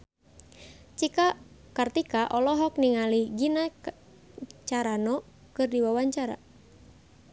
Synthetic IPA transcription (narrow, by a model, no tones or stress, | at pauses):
t͡ʃikakart̪ikaʔɔlɔɦɔk̚niŋaliɡina | t͡ʃaɾanɔ | kɨrdiwawaɲt͡ʃaɾa̰